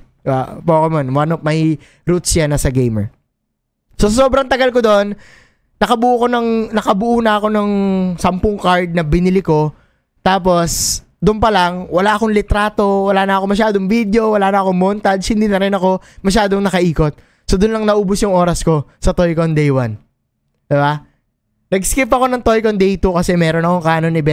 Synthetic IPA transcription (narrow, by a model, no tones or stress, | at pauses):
ba̰poːkɛmɐnwanop̚mɐi | ɾut̪̚sjanɐsɐɡejmɛ̰ɹ | sosɐsoːbɾɐŋt̪ɐɡɐlkod̪o̞ʔonː | ɐkɐbʊʔuːko̞nɐŋnɐkɐbʊʔuːnɐɐko̞nɐŋsɐmpʊŋkaɹd̪̚nɐbɪnɪlɪko̞ | t̪aːp̬o̞s | d̪ʊʔʊnpɐlaŋwɐlaːʔɐko̞ŋlɪt̪ɾaːt̪o̞wɐlaːnɐʔɐko̞mɐʃ̬aːd̪oŋvid̪jo̞wɐlaːnɐɐko̞ŋmoːnt̪ɐd̪shɪnd̪inɐɾɪnɐko̞mɐʃ̬aːd̪o̞ŋnɐkɐʔiːko̞t̪̚ | sod̪ʊnlɐŋnɐʔuːbʊsjʊŋʔo̞ːɾɐsko̞sɐt̪ojkond̪ɛjwan | d̪̥ɪba | nɐɡskɪpɐko̞nɐŋt̪o̞jkond̪ɛjt̪ukɐsɛmɛːɾonɐkoŋkaːnonɪbɛ